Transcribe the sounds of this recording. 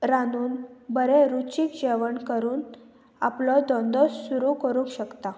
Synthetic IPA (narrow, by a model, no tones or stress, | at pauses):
ɾanuːnbəɾeɾut͡ɕiːkd͡ʑeʋəɳkəɾuːn | aplɔd̪ɔ̃nd̪ɔssuɾukəɾũŋkɕəkt̪a